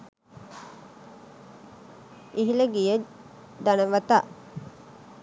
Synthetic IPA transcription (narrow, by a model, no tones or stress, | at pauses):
iɦiləɡijə | d̪anəʋat̪a